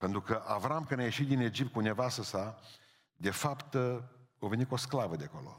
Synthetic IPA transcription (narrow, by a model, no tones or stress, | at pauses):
pe̞nt̪ɾukəʔavɾamkɨnʲajeʃit̪̚d̪ine̞d͡ʒip̚t̪kunevasəsa | d̪e̞fapt̪ovenitkosklavəd̪eko̞̰lo̞̰